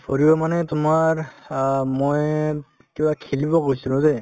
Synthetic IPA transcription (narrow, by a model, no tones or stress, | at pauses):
pʰoɹiɔmanɛtʊmaɹ | moj | kibakʰilibɔkoisilʊ̃zɛ